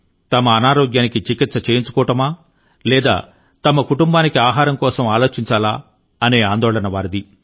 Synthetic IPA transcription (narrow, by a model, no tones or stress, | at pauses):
t̪ɐmɐːnaːɾoːɡjaːnikit͡ʃikit̪sɐt͡ʃeːjiɲt͡ʃu̥kɔːʈɐmaː | lɛːd̪a̰ː | t̪ɐmɐkuʈumbaːnikiaːɦaːɾɐmkɔːsɐmaːloːt͡ʃiɲt͡ʃaːlaː | ɐneːaːnd̪ɔːɭɐnɐʋaːɾid̪i